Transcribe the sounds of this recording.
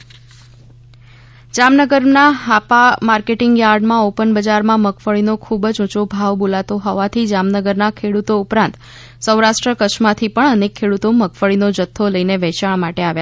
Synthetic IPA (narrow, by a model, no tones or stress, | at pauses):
d͡ʒamnəɡəɾnaɦapamaɾkeʈɪŋɡjaɾɖmãopənbəd͡ʒaɾmãməkfəɭinokʰubd͡ʒũt͡ʃobʱaʋbolat̪oɦɔʋat̪ʰid͡ʒamnəɡəɾnakʰeɽut̪oupɾãnt̪ | səwɾaʃʈɾəkət͡ʃʰmãt̪ʰipəɳənekʰːeɽut̪oməkʰfəɭinod͡ʒət̪ʰːoləineʋɛt͡ʃaɳmaʈeaʋja